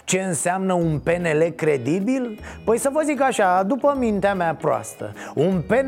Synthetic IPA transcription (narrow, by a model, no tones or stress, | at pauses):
t͡ʃe̞ɨnseamnəunpe̞ne̞le̞kɾe̞d̪ibil | pəjsəvəzikaʃad̪upəmint̪eamapɾoa̰st̪ə̰unpe̞n